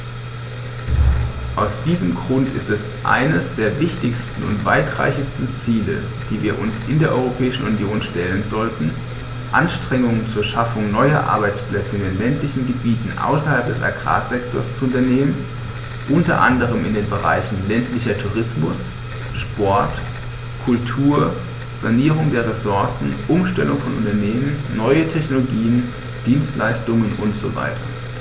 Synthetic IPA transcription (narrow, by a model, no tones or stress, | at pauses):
ʔaʊsd̥iːzəmɡʁʊntɪ̰stɛs | ʔa̰ɪnəsd̥eːɐvɪçtɪçstn̩ʊ̰ntv̥a̰ɪtʁ̥a̰ɪçɪçstn̩t͡siːlə̰ | d̥iːviːɐʔʊnsʔɪndeːɐʔɔ̰ʏʁopʰɛːɪʃn̩unjoːnʃtɛlənzɔltn̩ | ʔa̰nʃtʁ̥ɛŋʊŋənt͡suːɐʃafʊŋnɔʏɐ̰ʔa̰ɐbaɪt͡splɛt͡səmɪnlɛntlɪçn̩ɡəbiːtn̩ʔa̰ʊsɐhalp̚d̥ɛsa̰ɡʁa̰ːzɛktʰoːɐst͡suʊntɐneːmən | ʔʊntɐ̰ʔa̰ndəʁ̞əmɪndeːnbəʁa̰ɪçn̩lɛntlɪçɐtʰuːʁɪsmʊs | ʃpɔɐt | kʰʊltʰuːɐ | z̥aniːʁ̞ʊŋdeːɐʁesʊɐsn̩ʔʊmʃtɛlʊŋfɔnʔʊ̰ntɐneːmənːɔʏətʰɛçnoloɡiːən | d̥iːnstlaɪstʊŋənʊntz̥ova̰ɪtʰɐ̰